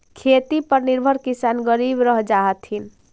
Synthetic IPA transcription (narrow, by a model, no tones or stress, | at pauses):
kʰet̪ipəɾniɾbʱəɾkisanɡəɾibɾəɦd͡ʒaɦət̪ɦin